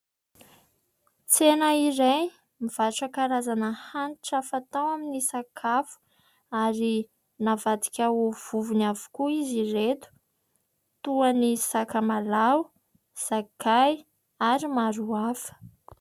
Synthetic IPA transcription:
t͡senəiɾaj | miv̥aʈ͡ʂəkaɾazanəhanʈ͡ʂafat̪awaminisakʰafu̥ | aɾi | navad̪i̥kʲauv̥uvunavu̥kuiziret̪u̥ | t̪uanisakamalaw | z̥akaj | aɾimaɾuafə̥

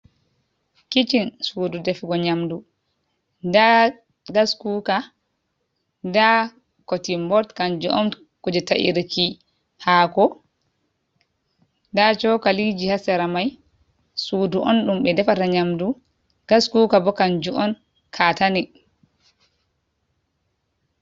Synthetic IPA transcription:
kit͡ʃinsuːdudɛfɡɔɲamdu | da | ɡaskuka | da | kotimbɔɾtkand͡ʒuʔɔ̰n | kɔd͡ʒɛtaʔḭɾki | hakɔ | dat͡ʃɔkalid͡ʒihasɛɾamaj | suːduʔɔnɗumɓɛdɛfataɲamdu | ɡ̥askuːkabɔkand͡ʒuʔɔn | kʰatani

